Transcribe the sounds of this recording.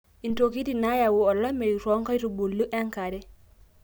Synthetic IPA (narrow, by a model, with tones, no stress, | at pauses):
i˨nto˨ki˦ti˨na˦jawuɔ˨lːo˦me˨ju˨ɾo˦ŋka˦ɾu˨bu˨lːu˦ʔe˦ŋka˨de˦